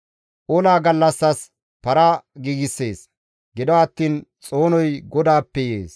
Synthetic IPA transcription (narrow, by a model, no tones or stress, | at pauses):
ʔoːlaːɡɐlːɐsːɐs | pɐɾaɡiːɡɪsːe̞ːs | ɡɪd̪ɔɐt̪ːiːnt͡sʼo̞ːnɔjɡɔd̪aːpːɛjḛːs